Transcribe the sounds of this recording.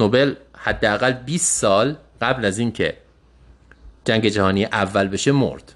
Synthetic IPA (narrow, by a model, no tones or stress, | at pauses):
nobe̞lhæd̪ːeæɣælbiːst̪sɒːl | ɢ̥æblæziːncʰe̞̰ | d͡ʒæŋɟe̞d͡ʒæhɒːnijeʔævːælbe̞ʃe̞mo̰ɾd̪̥